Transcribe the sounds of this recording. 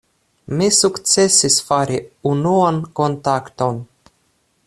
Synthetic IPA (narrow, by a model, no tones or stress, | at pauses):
mʲesukt̪sesʲisfaɾʲiunuɔnkont̪akt̪on